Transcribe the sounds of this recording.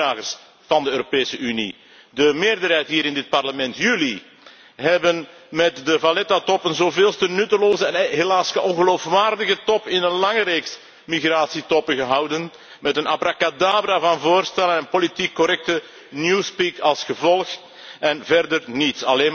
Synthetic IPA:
aːɣəs | vɑndəøːɾopeːsəynḭ | dəmeːrdərɦɛjtɦiːɾɪndɪt̚pɑrləmɛntjyːli | ɦɛbənmɛtdəvalɛtatɔpənzoːveːlˠstənytəloːzəɛnɦelaːsəʔɔnɣəloːfʋaːrdəɣətɔpɪnənlɑŋəɾeːks | miɣraːsitɔpəɣəɦɑwdən | mɛtənapɾakadaːbɾavɑnvoːrstɛlənɛnpolitikːɔɾɛk̚tə | njuːspikɑlˠsxəvɔlˠx | ɛnvɛrdərnitsɑleːn

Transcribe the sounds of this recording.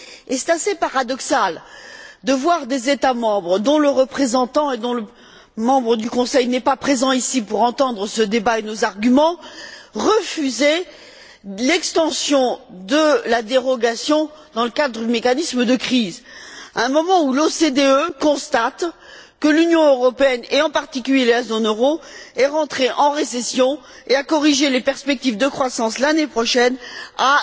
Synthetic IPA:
esɛ̥t̪asepaʁad̪ɔksald̪əvwaʁd̪ezet̪amɑ̃bʁəd̪ɔ̃ləʁəpχezɑ̃t̪ɑ̃ed̪ɔ̃lə | mɑ̃bʁəd̪ykɔ̃sɛjnɛpapχezɑ̃isipuʁɑ̃t̪ɑ̃d̪ʁəsəd̪ebaenozaʁɡʲymɑ̃ʁəfyze | lɛkst̪ɑ̃sjɔ̃d̪əlad̪eʁɔɡasjɔ̃ | d̪ɑ̃ləkad̪ʁəd̪ymekanisməd̪əkχizɛ̃mɔmɑ̃ulosed̪eøkɔ̃st̪at̪kəlynjɔ̃øʁɔpeɛneɑ̃paʁt̪ikʲyljelazonøʁoɛʁɑ̃t̪χeʔɑ̃ʁesɛsjɔ̃ | eakɔʁiʒelepɛʁspɛk̚t̪ivd̪əkχwasɑ̃slanepχɔʃɛna

